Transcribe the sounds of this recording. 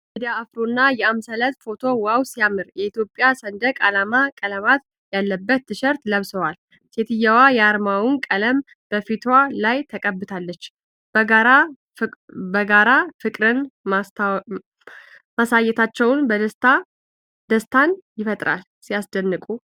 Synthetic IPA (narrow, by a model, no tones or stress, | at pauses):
mid̪ijaːfɾonːajɛamsələt̪fo̞t̪ʰo̞wawsijamɨɾjɛit̪jo̞pʼːjasənd̪əkʼalamakʼələmat̪ | jalːəbːət̪ːɨʃəɾt̪ləβsəwal | set̪ʰɨjawajɛaɾmawɨnkʼələm | b̥əfit̪ʰwalajt̪ʰəkʼəbːɨt̪ʰalːət͡ʃː | bəɡaɾa | bəɡaɾafɨkʼɾɨn | masajɛt̪ʰat͡ʃːɛwnbəd̪əst̪a | d̪̥əst̪ʰanjɪfət̪ʼɾa̰l | sijasd̪ənːɨkʼu